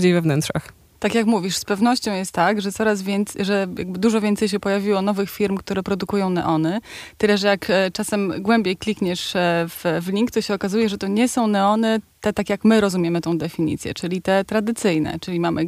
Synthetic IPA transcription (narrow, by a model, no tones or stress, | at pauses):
d͡ʑejvɛvnɛntʂa̰x | t̪akʲjakmuvʲiʂspɛvn̪ɔɕt͡ɕɔ̃w̃jɛst̪ːakʐɛt̪sɔɾasvʲjɛnt̪sʐɛja̰ɡ̚bɘd̪uʐɔvʲjɛnt̪sɛjɕ̬ɛpɔjavʲiwɔnɔvɘxfʲiɾmkt̪uɾɛpɾɔd̪ukujɔ̃w̃nɛ̰ʔɔnɘt̪ɘlɛʐɛjakt͡ʂasɛmɡwɛmbʲjejklʲikɲɛʂvvlʲiŋkt̪ɔɕɛɔkazujɛʐɛt̪ɔɲɛsɔ̃w̃nɛɔnɘt̪ɛt̪akʲjakmɘɾɔzumʲjɛmɘt̪ɔ̃w̃d̪ɛfʲiɲḭt̪sʲjɛ̰t͡ʂɘlʲit̪ɛt̪ɾad̪ɘt̪sɘjnɛ̰t͡ʂɘlʲimamʔɘ